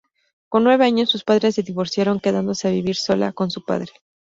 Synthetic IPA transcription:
ko̞nːwe̞βe̞aɲo̞sːuspaðɾesleðiβo̞ɾsjaɾo̞ŋke̞ðand̪o̞se̞aβiβ̞iɾso̞la̰ko̞nsupa̰ðɾe

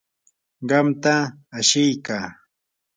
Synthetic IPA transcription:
ɢɑmt̪aːʃɪjkaː

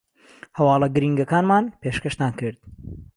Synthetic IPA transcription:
hɐwɑːlˠɐɡɨɾiːŋɡɐkaːnmaːnpeːʃkɐʃt̪aːnkɨɾd̪̥

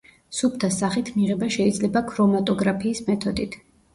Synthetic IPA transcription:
sup̚ʰt̪ʰasaχit̪ʰmiʁɛbaʃɛid̪zlɛbakʰɾɔmat̪ʼɔɡɾapʰiːsmɛt̪ʰɔd̪it̪ʰ

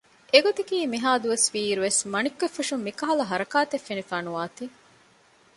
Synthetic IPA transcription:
eɡot̪ikiːmiɦaːd̪uʋɐsʋiːɾuʋesmɐnikːefːuʂumːikɐɦɐlɐɦɐɾɐkaːt̪efːenifaːnuʋaːt̪i

